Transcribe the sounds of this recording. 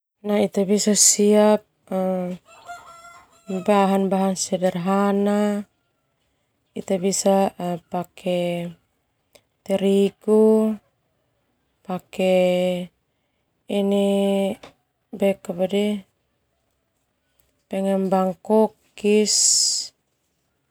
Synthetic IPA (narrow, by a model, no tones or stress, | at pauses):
nait̪abisasiap̚ | baɦanbaɦansɛdarɦana | it̪abisapakʰɛ | t̪ɛɾiku | pakɛ | ini | bɛkabadɛ | pɛŋɛmbaŋkɔkː | is